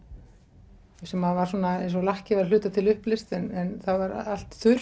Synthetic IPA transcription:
sɛmavaɾ̥suːnaejnsɔlahcɪvaɾlʏːt̪at̪ʰɪlʏhplɪst̪ɛnɛnθawvaɾal̥t̪θʏ

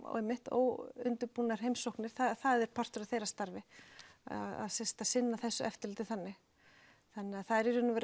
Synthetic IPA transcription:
ɛjmːɪht̪ɔo̰ɣʏ̰nt̪ʏɾpunaɾ̥ɦejmsowknɪɾ̥θaθaðɛɾ̥pʰar̥t̪ʏɾaθejɾast̪aɾvɪ | aða̰ðsɛst̪asɪnːaθɛsːʏʔɛft̪ɪlt̪ɪθanːɪɣ | θanːɪaθaðɛɾiɾʏnʏvɛːɾ

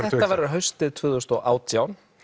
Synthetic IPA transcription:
θɛt̪avajɾɦœɥst̪ɪðt̪ʰv̥ʏːðʏst̪ɔɣʔa̰ːwt̪ʰjawn

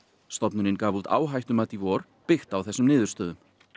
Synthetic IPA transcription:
st̪ɔpnʏɾɪnkaːvut̪a̰ːwɦajht̪ʏmat̪ivɔɾ̥ | pɪxt̪awθɛsːʏmnɪːðʏɾ̥st̪œːðʏm

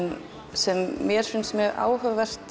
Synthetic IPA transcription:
n | sɛmːjɛɾ̥fʏnsmjœːɣʔa̰ːwhœvvɛr̥t̪

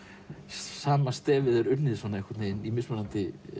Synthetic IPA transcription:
saːmast̪ɛːvɪðɛɾʏɾnɪðsvɔːnaɛkvaɾt̪nejnimɪsmanant̪ɪ

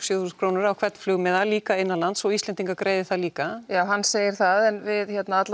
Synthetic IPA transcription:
sjʏθusnkʰɾoːwnʏɾawkʰvɛt̪n̥flʏɣmɛðaliːkaɪnːalant̪sɔist̪ɛnt̪iŋkakɾʔeːjðɪθaðliːkajaːwɦanːseːjɪɾ̥θaðɛnvɪðçɛt̪naat̪l

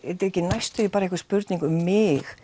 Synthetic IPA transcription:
ɛt̪ɪɾɛcːɪnajst̪ʏipaːɾaɛhkʏ̥spʏɾt̪niŋkʏmːɪx

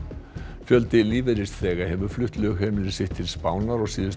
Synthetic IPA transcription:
fjœlt̪ɪliːveɾɪst̪θɛːɣḁhɛvʏɾ̥flʏht̪lɛɣʏhɛːmɪlɪsɪht̪ʰɪlspaːwnaɾɔɣsiːðʏs

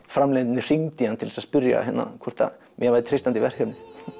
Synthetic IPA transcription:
fɾamlejt̪ɪnːɪr̥iŋt̪ɪhant̪ʰɪlsaðspʏɾja̰ɦɛnːa̰kʰvɔr̥t̪a̰ | mjɛvajðtɪt̪ʰɾejst̪ant̪ɪvɛr̥hɛɾnɪ

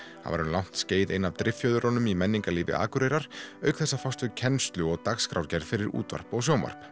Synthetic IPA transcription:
ha̰va̰ɾʏnlawŋ̥t̪sceːjðenːavt̪ɾʔɪfjœːðʏɾɔnʏmimɛnːiŋkaliːvɪ̰ʔa̰ːkʏɾejɾaɾ̥œɥkθɛsːafawst̪ʏcʰɛnst̪lʏɔɣt̪akskɾawɾcɛɾfɪɾɪɾṵːt̪va̰r̥pɔɣsjowma̰r̥p

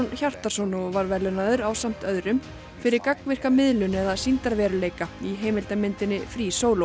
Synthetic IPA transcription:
nçar̥t̪asɔnɔvaɾvɛlʏnaðʏɾawsam̥t̪œðɾʏm | fɪɾɪɾkakvɪr̥kamɪðlʏnɛðasint̪aɾvɛːɾʏleːjkaiɦeːjmɪlt̪amɪnt̪ɪnːɪfɾisoːwlo

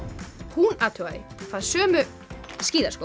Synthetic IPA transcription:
hunat̪ʰuajfaðsœːmʏ | sciːðaɾsko

